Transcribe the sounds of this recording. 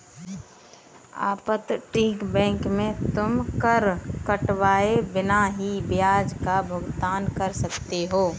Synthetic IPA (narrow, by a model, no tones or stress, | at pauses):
a̰ːpət̪ʈĩːkbɛ̃ːŋkmẽt̪ʊmkəɾkəʈʋaːebɪnaɦibjaːd͡ʒkabʱʊɡt̪aːnkɐɾsɐkt̪eɦoː